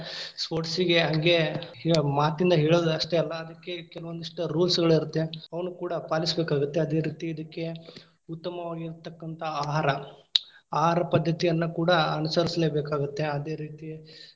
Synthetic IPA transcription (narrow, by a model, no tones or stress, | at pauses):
spoːʈsiɡe̞ɦɐŋɡe̞ | maːt̪ind̪ɐɦeːɭoːd̪ɐʂʈeɐlːɐːd̪ɐkːe̞kɛlɐʋond̪ɐʂʈɐɾuːlsɡɐɭiɾut̪ːeɐʋɐnukuːɽɐpaːlisbeːkaːɡut̪ːeɐd̪e̞ːɾiːt̪iːd̪ɐkːe̞ | ut̪ːɐmɐʋaːɡiiɾt̪ːɐkːɐnt̪ʰɐaːɦaːɾɐ | aːɦaːɾɐpɐd̪ʱːɐt̪ijɐnːukuːɽɐɐnusɐɾisle̞ːbeːkaːɡut̪ːe̞ɐd̪e̞ːɾiːt̪i